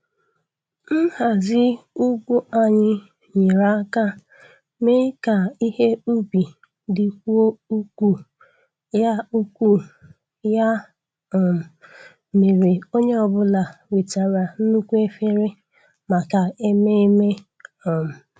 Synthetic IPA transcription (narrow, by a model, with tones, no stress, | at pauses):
n̩˦ha˨zɪ˦u˦ɡʷu˦a˨ɲɪ˦ | ɲi˨ɾa˦a˦ka˦ | me˦ka˨i˦he˦u˦bi˨ | dɪ˨kʷu˦o˦u˦ku˦ | ja˦u˦kʷu˦ | ja˦˨ | m̩˨ | me˨ɾe˨o˦ɲe˦ɔ˨bʊ˦la˨we˨ta˨ɾa˨n̩˦nu˦kʷu˦e˦fe˦ɾe˦ | ma˨ka˨e˦me˦e˦me˦ | ɔ˨m̩˨